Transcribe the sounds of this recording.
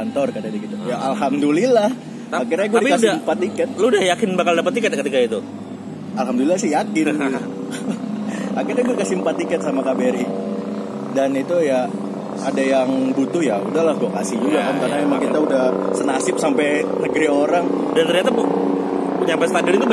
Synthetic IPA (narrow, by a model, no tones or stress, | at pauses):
ant̪ɔrkadadikit̪ujaʔalɦamdulilah̪ | aakirɲaɡuadkasdiampat̪ikət̪̚loudahjakɪnbakaldapat̪ːikət̪̚kət̪ikait̪u | alɦamdulilasɪhjakɪnɡit̪ | akirɲaɡuadikasimpat̪ikət̪̚samakabeɾi | danit̪uja | adajaŋbut̪ʊhjaudaɦlahɡuakasɪhd͡ʒuɡakankarnamemaŋŋkit̪audahsənasɪp̚sampɛnəɡɾioɾaŋdant̪ərɲat̪apu | puɲampɛst̪andilɪnt̪ub